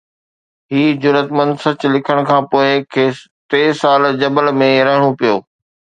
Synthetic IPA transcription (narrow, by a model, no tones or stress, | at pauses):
ɦiːd͡ʑʊɾət̪mə̃nd̪sɐt͡ɕlɪkʰəɽ̃kʰãːpoːɪkʰeː | t̪eːsaːld͡ʑɐbəlmẽɾɐɦɪɽ̃opijoː